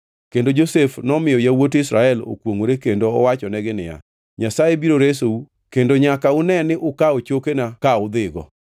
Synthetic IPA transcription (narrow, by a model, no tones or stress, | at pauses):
kendod͡ʒosefnɔmɪjɔjawotɪsɾaɛlo̰kwoŋoɾekendoɔ̰wat͡ʃɔnɛɡɪnɪ̰ja̰ | ɲasaebiɾoɾes̬ou | kendoɲakaʊnɛnɪʔʊkaot͡ʃokenakaʊd̪ɪɡɔ̰